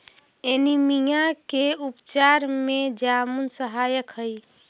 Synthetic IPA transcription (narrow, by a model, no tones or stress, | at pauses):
enimijakeupt͡ʃaɾmed͡ʒamunsəɦajəkɦəj